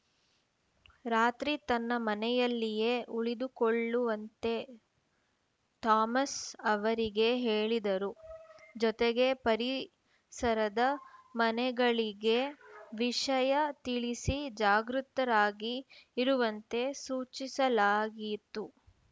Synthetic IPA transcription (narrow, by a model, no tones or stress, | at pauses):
ɾaːt̪ɾit̪ɐnːɐmɐnɛjɐlːije̞ʔuɭid̪ukoɭːuʋɐnt̪e̞ | t̪aːmɐsɐʋɐɾiɡe̞ɦeːɭid̪ɐɾud͡ʒɔt̪eɡe̞pɐɾi | sɐɾɐd̪ɐmɐnɛɡɐɭiɡe̞ʋiʂɐjɐt̪iɭisid͡ʒaːɡɾut̪ɐɾaːɡiːɾuʋɐnt̪e̞suːt͡ʃisɐlaːɡit̪u